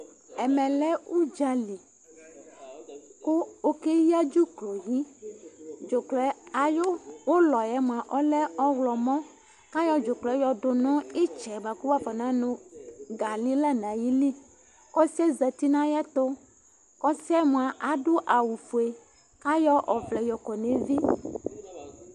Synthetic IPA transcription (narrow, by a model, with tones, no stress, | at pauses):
ɛ˨mɛ̃˨lɛ˦u˦d͡ʒa˨li˨ | ko˦o˦ke˦ji˦a˦d͡ʒu˦klo˨ji˦ | d͡ʒo˨klɛ˨a˨jo˦wo˦lɔ˨jɛ˦m˨ã˨ʔɔ˦lɛ˦ɔ˦wlɔ˨mɔ̃˦ | ka˦jɔ˦d͡ʒo˨klɛ˨˦jɔ˨ɖo˨nɔ̃˦e˦t͡ʃɛ˨ba˨ku˦wa˦fɔ˨nã˦nõ˨ɡa˨li˦la˦n˨ã˨ji˦li˦ | kɔ˦si˦ɛ˦zɛ˨t̪i˦nã˦jɛ˦t̪o˦ | kɔ˦si˦ɛ˦m̃˨a˨ʔa˦ɖo˦ʔa˨wu˨fu˨e˨ | ka˦jɔ˦ʔɔ˨vlɛ˨jɔ˨kɔ˨nẽ˨vi˦